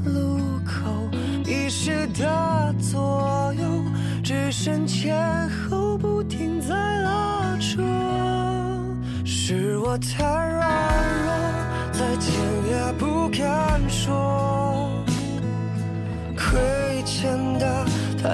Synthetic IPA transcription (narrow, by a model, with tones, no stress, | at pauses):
lu˧˩ | kʰo˨˩ʊ | i˧ʂ̩˥˧t̪a˧t͡swɔ˧˩ | jo˧ʊ | ʈ͡ʂ̩˥˧ʂə˧˥nt͡ɕʰjɛ˧n | xo˧˥ʊpu˧t̪ʰi˧˩ŋt͡sa˧˩ɪla˧ | ʈ͡ʂʰɔ˥ | ʂ̩˩wɔ˨˩t̪ʰa˧˥ɪɪɹa˥˧˥nlə˧ | t͡sa˥˧˩ɪt͡ɕʰjɛ˧˩nlja˧˩pu˧˥kʰa˧˥nʂwɔ˥ | kʰwe˧˥ | t͡ɕʰjɛ˧nd̪ə˧t̪ʰ